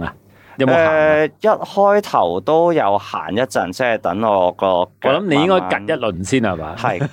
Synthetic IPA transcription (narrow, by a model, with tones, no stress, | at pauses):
a˨˩ | jɐ˨˦m˨ɛː˧jɐ˥t̚hɔː˥jt̪ʰɐ˨˩wt̪o˥wjɐ˨˧wha̰ː˨˩njɐ˥t̚t͡sɐ˨˧nt͡sɛ˥˨˩t̪ɐ˨˥ŋɔː˧lɔː˨˧kːɔ˧kːɔː˨˧lɐ˨˦mne˧jɪ˥ŋkɔː˥kɐ˨t̚jɐ˥t̚lɵ˨nsiː˥na˨˩ba̰ː˨˦hɐ˨j